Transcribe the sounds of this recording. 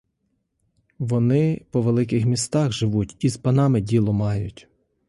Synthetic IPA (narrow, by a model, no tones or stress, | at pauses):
ʋɔnɪpɔʋelˠɪk̬ɪxmʲist̪ɑxʒɪʋutʲizpɐnɑmɪdʲilˠɔmɑjʊtʲ